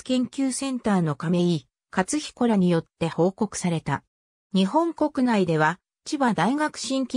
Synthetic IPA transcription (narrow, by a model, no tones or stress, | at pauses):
kẽ̞ŋkʲɨːsẽ̞nt̪aːno̞kame̞i | kat͡sɨçʲi̥ko̞ɾaɲ̟ijo̞t̪ːe̞ho̞ːko̞kɯ̟̥saɾe̞t̪a̰ | ɲ̟iɦõ̞ŋko̞kɯ̟naid̪e̞β̞a | t͡ɕibad̪aiɡakɯ̟̥ɕĩŋkʲi